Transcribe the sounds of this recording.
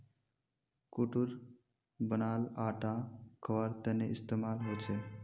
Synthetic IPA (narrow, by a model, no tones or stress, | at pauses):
kuʈuɾ | bənaːlaːʈãkʰəʋaɾt̪eneɪst̪eːmaːlɦoːt͡ʃʰe